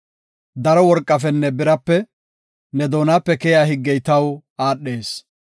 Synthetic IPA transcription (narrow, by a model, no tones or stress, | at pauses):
d̪ɐɾɔwɔɾkʼːɐfɛnːɛbɪɾɐpːɛ | nɛd̪oːnaːpːɛkɛjaːhɪɡːɛjt̪ɐwaːɗːe̞ːs